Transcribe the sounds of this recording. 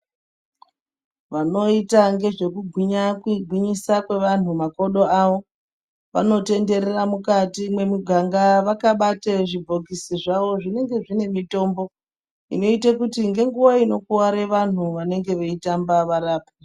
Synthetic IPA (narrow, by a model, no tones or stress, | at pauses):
ʋano̞itaŋɡe̞ʐe̞kuɡʱwiɲakɡʱwiɲisakwe̞ʋan̤umako̞ɗo̞aʋo̞ | ʋa̰no̞te̞nde̞ɾeramukatimwe̞miɡʱaŋɡaʋakaɓateʐib͡vʱo̞kisiʐaʋo̞ʐine̞ŋɡe̞ʐine̞mito̞ːmbo̞ | ḭno̞itakutiŋɡe̞ŋɡuwaino̞kuwaɾeʋan̤uʋane̞ŋɡe̞ʋeitambaʋaraːpi